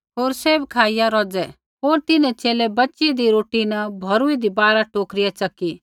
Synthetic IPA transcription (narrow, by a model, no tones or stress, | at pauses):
ɦoːɾseːbkʰaːɪjaɾɔːd͡zɛ | ɦoːɾt̪ɪnɛt͡ʃeːlɛbɐtːt͡ʃid̪iɾoːʈinɐbʱɐɾuid̪ibaːɾaʈoːkɾɪjat͡ʃɐkːi